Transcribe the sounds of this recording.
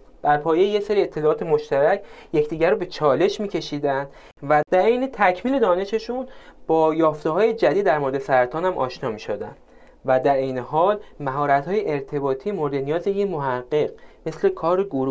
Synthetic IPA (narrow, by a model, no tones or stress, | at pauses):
b̥æɾpʰɒːje̞jejese̞ɾie̞t̪ʰːelɒːɒːt̪ʰe̞mo̞ʃt̪æɾæcʰjecʰd̪iːɟæɾobe̞t͡ʃʰɒːle̞ʃmiːcʰe̞ʃiːd̪ænd̪̥ | væd̪æɾejnet̪ʰæcʰmiːle̞d̪ɒːne̞ʃe̞ʃunb̥ɒːjɒːft̪e̞ɦɒːje̞d͡ʒæd̪id̪ːæɾmo̞ɾe̞d̪esæɾæt̪ʰɒːnhæmʔɒ̰ːʃnɒːmiːʃod̪æ̰nd̪̥ | væd̪æɾejne̞ɦɒːlmæɦɒːɾæt̪hɒːjeʔeɾt̪ʰe̞bɒːt̪ʰiːmo̞ɾed̪enijɒːzejemo̞ɦæɢːeɢme̞sle̞kʰɒːɾeɡoɾu